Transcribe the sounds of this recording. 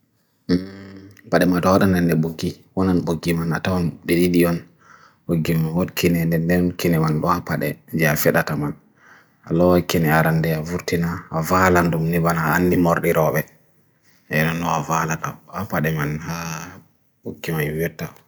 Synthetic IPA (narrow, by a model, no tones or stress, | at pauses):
paɗɛmatɔwaɗandɛndɛɓoɡːi | wɔnanɓoɡːimanatawanɗɛɗiɗiɔn | boɡːimanwɔdkinɛndɛndɛnkinɛmanɗɔapaɗɛ̰nd͡ʒɛafɛɗataman | a̰lɔwakinɛaɾandɛavuɾtinaːvalandumnibanaːnːdimɔɾɗiɾɔɓɛ | ɛnɔnɗɔavalataapaɗɛmanha | ɓoɡːimajjɛtːa